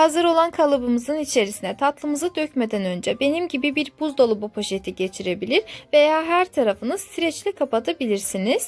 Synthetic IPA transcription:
hazɯɾo̞lˠankʰalˠɯbɯmɯzɯnit͡ʃʰe̞ɾisinɛt̪ʰat̪lˠɯmɯzɯd̪øcme̞d̪ænø̞nd͡ʒɛbe̞nimɟibibiɾbuzd̪o̞lˠubupʰoʃet̪ʰiɟe̞t͡ʃʰiɾe̞bilʲiɾve̞jaːɦæɾt̪ʰaɾafɯnɯzsiɾɛt͡ʃlʲɛkʰapat̪ʰabilʲiɾsiniz̥

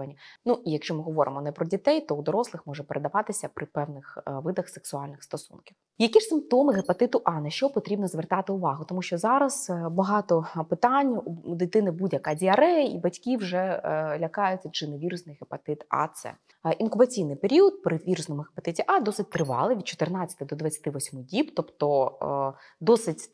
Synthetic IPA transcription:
ɐnʲinuʔijɐkʃt͡ʃɔmɨɦɔʋɔɾɪ̰mɔnɛpɾɔdʲit̪ɛjt̪ɔud̪ɔɾɔslˠɪxmɔʐɛpeɾʔed̪ɐʋɑt̪ɪsʲɐpɾɪpɛwnɪxʋɪd̪ɐxseksʊɑlʲnɪxst̪ɔsṵnkʲiw | jɐkʲiʂsɪmp̚t̪ɔmɪɦepɐt̪ɪt̪ʊʔɑnɐʃt͡ʃɔpɔt̪ɾʲibnɔzʋert̪ɑt̪ɪʊʋɑɦʊt̪ɔmuʃt͡ʃɔzɑɾɐzbɐɦɑt̪ɔpɪt̪ɑnʲd̪ɪt̪ɪnɪbudʲjɐkɑdʲiɐɾɛjḭbɐtʲkʲiwʐɛlʲɐkɑjʊt͡sʲːɐd͡ʒɨnɐʋʲiɾʊsnɪjɦepɐt̪ɪt̪ɑ̰t̪sɛ̰ | ʔinkʊbɐt͡sʲijnɪjpeɾʲiɔt̪̚pɾɪʋʲiɾʊsnɔmʊɦɪpɐt̪ɪtʲiʔɑd̪ɔsɪt̚ʲt̪ɾɪʋɑ̰lˠɪʋʲid̪̚t͡ʃɔ̥t̪ɪrnɑt͡sʲːɐt̪ɪd̪ɔd̪ʋɐt͡sʲːɐ̥t̪ɪʋɔsʲmɨdʲibt̪ɔpt̪ɔ | d̪ɔsɪtʲ

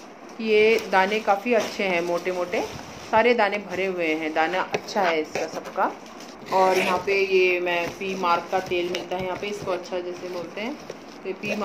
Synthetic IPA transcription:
kijed̪aːnẽkaːfiɐtːʃʰeɦɛ̃moːʈemoːʈe | saːɾed̪aːnẽbʱɐɾeɦʊeɦɛ̃d̪aːnaʔɐtːʃʰaɦɛɪskasɐbka | ɔːɾjɐɦãpejemɛ̃ːpiːmaːɾkːat̪eːlmɪlt̪aɦɛ̃jɐɦãːpeɪskoɐtːʃʰad͡ʒɛːseboːlt̪eɦɛ̃ː | t̪oepiːm

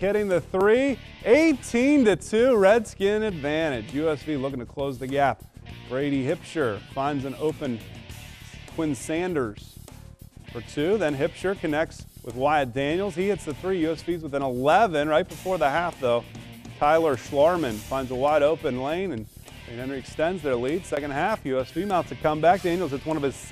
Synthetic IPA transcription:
hɪɾɪ̃ŋðɨθɹi | eɪtʰĩntɨtʰʉɹɛdskɪ̃nɨdvæ̃ɾ̃ɪd͡ʒjʉɛsv̥ilʊk̬ɪ̃ŋtʰɨkʰl̥oʊzðɨɡæp̚ | ɡ̥ɹeɪɾihɪpʃə˞fãɪ̃ndzɨ̃noʊpɨ̃n | kʰw̥ɪ̃nsæ̃ndə˞z̥ | fə˞tʰʉðɨ̃nɦɪpʃə˞kʰɨnɛk̚tswɨðwaɪdæ̃njl̩ˠz̥hiɨtsðɨθɹijʉɛsv̥izwəθɨ̃nəlɛvɨ̃nɹaɪt̚b̥əfɔɹðəɦæfðoʊ | tʰaɪlˠə˞ʃlɑɹmɨ̃nfãɪ̃ndzəwaɪɾoʊpɨ̃nlẽɪ̃nɨ̃n | ɨ̃ɾɛ̃nɹiɨkstɛ̃ndzðə˞lid̥sɛkɨ̃nd̚hæfjʉɛsv̥imãʊ̃tstʰɨkʰʌ̃mbæk̚d̥æ̃njl̩ˠzɨtswʌ̃ñʌv̥ɨz̥

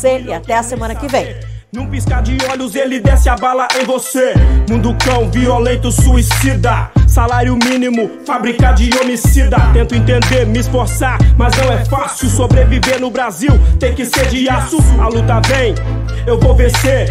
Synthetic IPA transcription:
eiat̪ɛɐsemɐ̃nɐkɪvẽj̃ | nũpiskaɾd͡ʒɪɔʎʊzelɪd̪ɛsɪabalɐʔẽj̃vosemũd̪ʊkɐ̃w̃violẽnt̪ʊsuisid̪ɐsalaɾjʊmĩnimʊfabɾikaɾd͡ʒɪomisid̪ɐt̪ẽnt̪ʊẽnt̪ẽnd̪eɾmɪːsfoɾsaɾmɐznɐ̃w̃ɛfasʊsobɾeviveɾnʊbɾaziwt̪ẽj̃kɪsed͡ʒiasʊalut̪ɐvẽj̃ewvowvẽseɾ

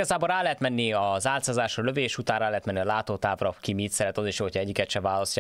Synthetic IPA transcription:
ɒzaːboɾraːlɛɦɛt̪mɛnːiɒzaːlt̪saːzaːʃrɒløveːʃut̪aːnrɾaːlɛɦɛt̪mɛnːiɒlaːt̪oːt̪aːvrɒkimit̪sɛɾɛt̪ɒziʃjoːhocʰɒɛɟːikɛt̪ʃɛvaːlɒst̪ːa

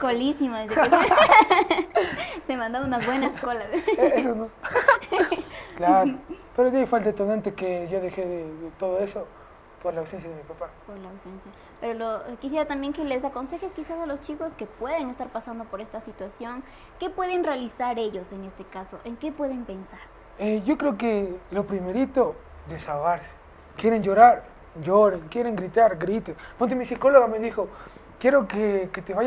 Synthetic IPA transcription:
kolisimaðezðekes | semãnd̪ounaβwe̞naskolaðes̬ono | klaɾopeɾod̪iajfalt̪aet̪onãnt̪ekeʝoðexeðeðet̪oðoeso | poɾlaːwsensjaðemipapapoɾlaːwse̞nsja | peɾolokis̬je̞ɾat̪ambje̞ŋke̞le̞s̬ako̞nse̞xe̞skisasalo̞st͡ʃiko̞ske̞pwe̞ðe̞ŋe̞st̪aɾpasand̪o̞po̞ɾe̞st̪asit̪wasjo̞ŋ | ke̞pwe̞ðe̞nrealisaɾe̞ʝo̞se̞ne̞st̪ekaso̞ʔeŋke̞pwe̞ðe̞mpe̞nsaɾ | eʝo̞kɾe̞okelo̞pɾimeɾit̪oðesaβaɾse̥ | kje̞ɾend͡ʒo̞ɾaɾ | ʝoɾeŋkje̞ɾeŋɡɾit̪aɾɡɾit̪enpont̪̬emisiko̞loɣame̞ðixo̞kjeɾo̞keket̪eβa

